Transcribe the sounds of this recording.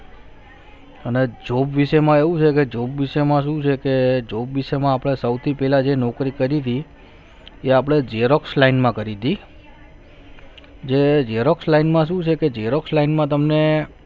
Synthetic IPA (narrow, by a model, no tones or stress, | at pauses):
əned͡ʒobʋiʃemãeʋũt͡ʃʰeked͡ʒobʋiʃemãʃũt͡ʃʰeked͡ʒobʋiʃemãapɽ̃esəwt̪ʰipɛɦlad͡ʒenɔkɾikəɾit̪ʰi | eapɽ̃ed͡ʒeɾokslainmãkəɾid̪i | d͡ʒed͡ʒeɾokslainmãʃ̬ũt͡ʃʰeked͡ʒeɾokslainmãt̪̬əmne